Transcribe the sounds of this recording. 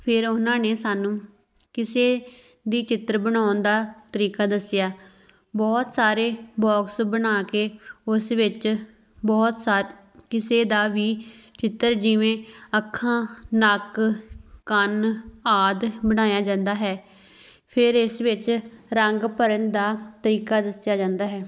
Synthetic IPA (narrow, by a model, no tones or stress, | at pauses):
pʰɪɾʊnãːneːsaːnũː | kɪseː | d̪iːt͡ʃɪt̪ːəɾbəɽ̃aːʊnd̪aːt̪əɾiːkaːd̪əsːɪjaː | bɔːt̪saːɾeːbɔːksbənaːkeːʊsʋɪt͡ʃ | bɔːt̪saː | kɪseːd̪aːʋiːt͡ʃɪt̪ːəɾd͡ʒɪʋẽːəkʰːãːnək | kənaːd̪bəɽ̃aːjaːd͡ʒãːnd̪aːɦɛː | pʰɪɾɪsʋɪt͡ʃɾəŋɡpəɾənd̪aːt̪əɾiːkaːd̪əsɪjaːd͡ʒãːnd̪aːɦɛː